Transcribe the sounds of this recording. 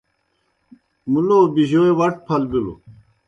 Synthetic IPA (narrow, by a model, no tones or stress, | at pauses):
mulobiʑoewɐʈ̚pʰɐlbilo̰